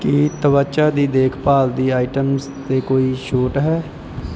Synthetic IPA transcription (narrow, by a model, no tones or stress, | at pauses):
kit̪əʋət͡ʃaːd̪iːd̪eːkʰpaːld̪iːaːiʈəms | t̪eːkoːiːʃoːʈɦɛː